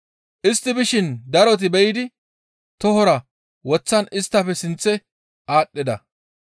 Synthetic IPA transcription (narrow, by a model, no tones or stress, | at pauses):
ʔɪst̪ːɪbɪʃɪnd̪ɐɾɔt̪̬ɪbɛjɪd̪ɪ | t̪ɔhɔɾɐ | wɔt͡sːɐnɪst̪ːɐpːɛsɪnt͡sːɛ | ʔaːɗːɪd̪ɐ